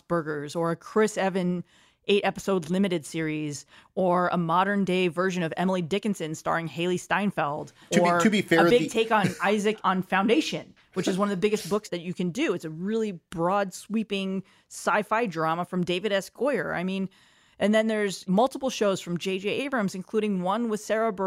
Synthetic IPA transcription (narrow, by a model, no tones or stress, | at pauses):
b̥ɜ˞ɡə˞zə˞ɨkʰɹ̥ɪsɛvɨ̃n | ʔeɪɾʔɛpə̥soʊdˡlɪ̃mɨɾɨd̥sɪɹizə˞ə̰mɑɾə̃˞ndeɪvɜ˞ʒɨ̃nʌvɛ̰ml̩ˠidɪkɨ̃n̩sɨ̃nstɑ̰ɹɪ̃ŋheɪlˠistãɪ̃nfɛlˠd | ə˞ɨbifɛəɹbɪɡ̚tʰeɪkn̩aɪzɨkn̩fãʊ̃ndeɪʃɨ̃n | wɨt͡ʃɨzwʌ̃nʌvðɨbɪɡɨs̚b̥ʊksðɨt͡ʃɨkɨ̃ndʉɨtsɨɹɪlˠib̥ɹɔdswipɪ̃ŋ | saɪfaɪdɹɑməfɹʌ̃mdeɪvɨɾɛskʰɔɪə˞a̰ɪmĩn | ʔɨ̃nðɨ̃nðə˞zmʌlˠtəpl̩ˠʃoʊz̥fɹʌ̃md͡ʒeɪd͡ʒieɪbɹɨ̃mzɨ̃nkʰl̥uɾɪ̃ŋwʌ̃nwəð̥sɛɹəb